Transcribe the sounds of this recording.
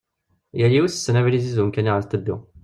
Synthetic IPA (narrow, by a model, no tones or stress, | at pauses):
jælːiwusə̥sːənævlizizunkæniʁəɾt̪ˤəbːḭ